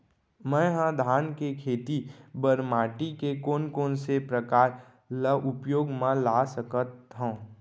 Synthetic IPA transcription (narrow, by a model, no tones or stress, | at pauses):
mɛ̃ːɦə̃d̪ʱaːnkekʰeːt̪ibəɾmaːʈikekoːnkoːnsepɾəkaːɾ | ləʔʊpjoːɡmãlaːsəkət̪ɦõ